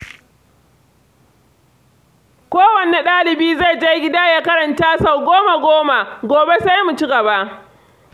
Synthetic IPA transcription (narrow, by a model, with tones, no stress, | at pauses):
kʷoː˦wɐ˨ne˨ɗaː˦lɪ˨biː˦za˦˨jd͡ʒa˦jɡʲɪ˦da˦jaː˦kɐ˦ɾɐ˨nta˦sa˦˨wɡʷoː˦ma˨ɡʷoː˦ma˨ɡʷoː˨be˦sa˦jmu˨t͡ʃi˦ɡɐ˨ba˦ʔ